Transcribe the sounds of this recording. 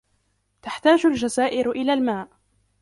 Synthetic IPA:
t̪aħt̪aːd͡ʒʊld͡ʒazaːʔɪɾʔɪlaːlmaːʔ

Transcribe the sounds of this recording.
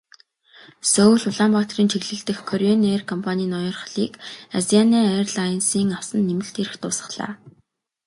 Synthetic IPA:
sɔwɮʊɮaːmpaːt̪riːnt͡ɕʰeɣɮɘ̆ɬt̪ɘ̆xkʰːɔɾʲiɔnerkʰɔmpʰanʲiːnɔjɞ̆rχ̆ɮiːkazianiːærɮajnsiːŋawsə̆nːemɘ̆ɬt̪eɾɘ̆xt̪ʰʊːsə̥̆χɮ̥a̰ː

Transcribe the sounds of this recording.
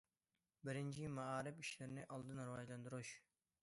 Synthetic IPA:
bɪɾɪnt͡ʃʰimaaːɾɪpiʃlɪɾɪnɪʔɑlˠd̪ɨnɾuwɑʒlˠɑnd̪uɾuʃ

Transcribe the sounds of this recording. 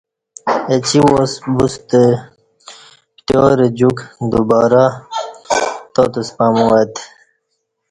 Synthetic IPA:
et͡ɕiwosbust̪e | ʈ̪oɾed͡ʑukd̪ubaːɾa | t̪ot̪əspaːmuwat̪

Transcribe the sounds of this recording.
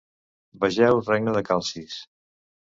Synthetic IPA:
bəʒɛwrɛɡnəðəkalˠsis

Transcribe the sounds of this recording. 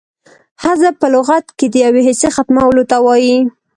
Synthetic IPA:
hazapəlʊɣat̪ked̪əjaweɦɪsexat̪mawəlot̪awɑji

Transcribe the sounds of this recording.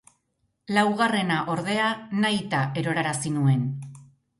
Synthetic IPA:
lawɣare̞naʔo̞ɾðe̞anajt̪aʔe̞ɾo̞ɾaɾasinue̞n

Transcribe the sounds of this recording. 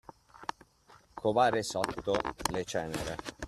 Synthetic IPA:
kʰovaːɾesɔt̪ːolet͡ʃɛːneɾe

